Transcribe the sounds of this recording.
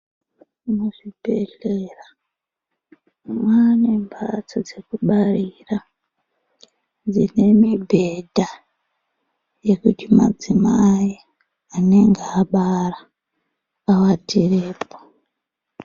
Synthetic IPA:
unoʐibʱe̞ɮera | mwaːnembʱat͡sod͡ze̞kuɓarira | d͡zine̞mibʱe̞dʱa | je̞kutima̰d͡zimai | ane̞ŋɡeaɓara | awatʰireːpo̥

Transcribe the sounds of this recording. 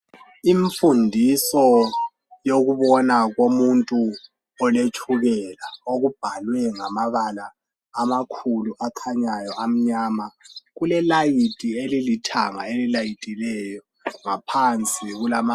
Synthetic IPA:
iɱfundʱisɔ | joɣuβɔnaɣomuntʼu | ɔlet͡ʃʰʼuɣɛlaoɣub̥ʱalwɛŋamaβalaː | makʰuluʔakʰaɲajɔʔam̩ɲaːmaɣulɛlajitʼielilitʰa̰ŋa̰elilajitʼilɛjɔ | ŋapʰant͡sʼiɣulama

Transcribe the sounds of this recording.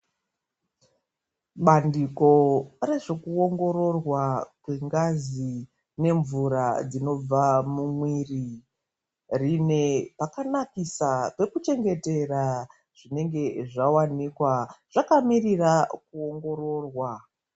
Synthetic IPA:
ɓandiko̞re̞ʐe̞kuo̞ŋɡo̞ɾo̞rwakwe̞ŋɡazi | ne̞ɱvuɾad͡zino̞b͡vamumwiːri | rine̞pakanakisape̞kut͡ʃe̞ŋɡe̞te̞ra | ʐ̥ine̞ŋɡe̞ʐawanikwaʐ̥akamirirakuo̞ŋɡo̞ro̞ːrwa

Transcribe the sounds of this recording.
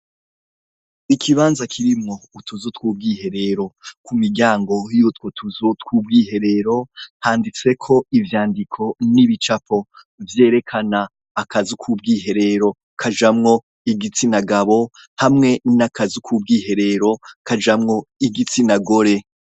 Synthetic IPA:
ikʰiβaːnzakʰiɾimŋo̞utʰuzotkwuːb̚ɡiːhe̞ɾe̞ɾo̞kumiɟaːŋɡo̞juːtwo̞tʰuzotkwuːb̚ɡiːhe̞ɾe̞ɾo̞haːndit͡se̞kʰo̞ivjaːndikʰo̞niβit͡ʃapo̞ | vje̞ːɾe̞kʰanaː | kʰazukʰuːb̚ɡiːɦe̞ɾe̞ɾo̞ | kʰad͡ʒamŋo̞ | iɡit͡sinaɡaβo̞ | hamŋe̞nakazukʰuːb̚ɡiːɦe̞ɾe̞ɾo̞kad͡ʒamŋo̞iɡit͡sinaɡo̞ɾe̞

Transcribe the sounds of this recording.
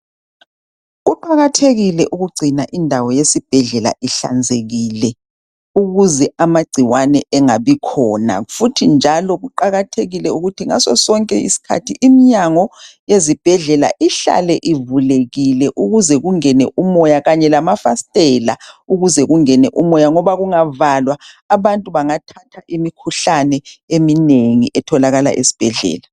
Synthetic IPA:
ɣuǃaɣatʰeɣilɛʔuɣuɡ͡ǀʱinaʔindʱawɔjesib̥ʱɛɮɛla̰ʔiɬa̰nd͡zʱeɣiːlɛ | uɣuzɛamaɡ͡ǀʱiwanɛɛŋaβikʰɔna̰futʰind͡ʒʱalɔɣuǃaɣatʰeɣilɛuɣutʰiŋa̰sɔsɔŋkʼɛ̰ḭsi̥kʰa̰tʰiʔimiɲaŋɔjezib̥ʱɛɮɛla̰ʔiɬa̰lɛʔivuleɣilɛʔuɣuzɛɣuŋɛnɛ̰ʔumɔjaɣaɲɛlamafastʼɛla̰uɣuzɛɣuŋɛnɛʔumɔjaŋɔβaɣuŋavalwaː | βantʼuβaŋatʰatʰaʔimikʰuɬanɛemineŋiʔɛtʰɔlaɣala̰ʔesi̥b̥ʱɛɮɛ̰ːla

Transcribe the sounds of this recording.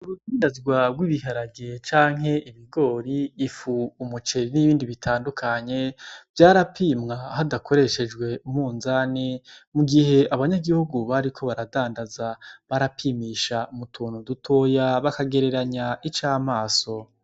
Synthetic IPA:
uɾudiːndazɡwabɡwiːβiɦaɾaɡet͡ʃaːŋ̥ɦe̞iβiɡo̞ːɾiːfuːmut͡ʃe̞ɾiniβiːndiβitʰaːndukʰaɲe̞v̥jaːɾapʰiːmŋahadakʰo̞ɾe̞ʃe̞d͡ʒɡwe̞umuːnzanemuɡiɦe̞aβaɲaɡihuɡuβaɾikʰo̞βaɾadaːndazaβaɾapʰiːmiʃaumutʰuːnudutʰo̞ːjaβakaɡe̞ɾe̞ɾaɲaʔit͡ʃaːmaːso̞

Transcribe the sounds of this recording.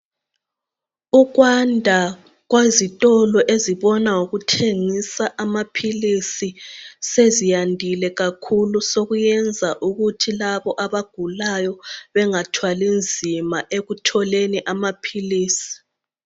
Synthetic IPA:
uɣwandʱa | ɣwezitʼɔlɔʔeziβɔnauɣutʰeŋisaʔamapʰilisisezijandʱilɛɣakʰulusoɣujɛnd͡zʱaʔuɣutʰilaβɔʔaβaɡ̥ʱulajɔβɛŋatʰwalind͡zʱimaʔeɣutʰɔleniʔamapʰiliːsi̥

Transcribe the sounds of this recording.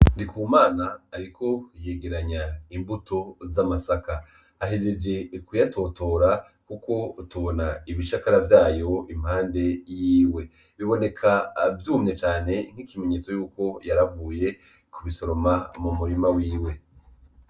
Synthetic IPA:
ndikʰuːmaːnaːɾikʰo̞je̞ɡe̞ɾaɲaimbuto̞zamasakaː | ɦed͡ʒe̞d͡ʒe̞kujato̞to̞ɾa | kuko̞tuβo̞naiβiʃakaɾavjaːjo̞im̥haːnde̞jiːwe̞ | βiβo̞ne̞kʰavjuːmɲet͡ʃaːne̞ŋ̥hikime̞ɲe̞t͡so̞juːko̞jaɾavuːje̞ | kuβiso̞ɾomamumuɾimawiːwe̞

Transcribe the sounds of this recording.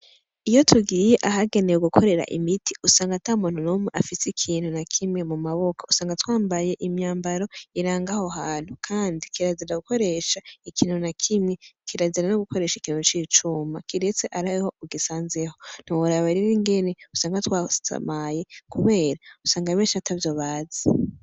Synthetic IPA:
ijotʰuɡiːjeʔaɦaɡe̞nejuɡukʰo̞ɾe̞ɾa̰ʔḭmitʰi̥usaːŋɡataumuːn̥unomweʔafisikʰiːn̥hunakʰimŋemumaβokʰausaːŋɡatwaːmbaje̞ʔimɲaːmbaɾo̞iɾaːŋɡahoɦaːn̥ukʰaːndikiɾaziɾaɡuko̞ɾe̞ʃaikʰiːn̥hunakʰimŋe̞kiɾaziɾanoɡuko̞ɾe̞ːʃikiːn̥ut͡ʃiːt͡ʃumakiɾet͡seʔaɾaho̞uɡisaːnzeho̞n̥uuɾaβaɾiɾiŋɡe̞neusaːŋɡatwaa̰maje̞kuβe̞ːɾausaːŋɡamenʃiatʰavjo̞ːβaːze

